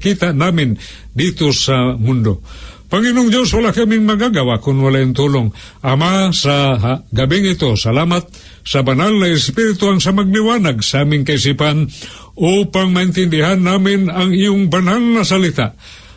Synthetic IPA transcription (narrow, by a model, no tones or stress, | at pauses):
kit̪aʔnamɪn | d̪it̪osamʊnd̪opaŋinʊŋd͡ʒjoswalaʔkamɪŋmaɡaɡawaʔkʊnwalaʔɪnt̪ulʊŋ | amasaɦaɡabɪŋɪt̪osalamat̪̚ | sabanalnaɪspɪɾɪt̪ʊhaŋsamaɡ̚lɪwanaɡsaamɪŋkaɪsipan | upaŋmaɪnt̪ɪnd̪ɪɦanːamɪnaŋijʊŋbanhaŋnasalit̪aʔ